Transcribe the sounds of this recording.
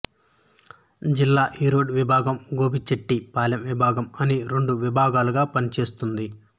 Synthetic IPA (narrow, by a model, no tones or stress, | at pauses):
d͡ʒilːaːʔiːɾoːɖʋibʱaːɡɐmɡo̞ːbit͡ʃeʈːipaːlɐmʋibʱaːɡɐmɐniɾe̞ɳɖuʋibʱaːɡaːluɡaːpɐnit͡ʃe̞ːst̪und̪i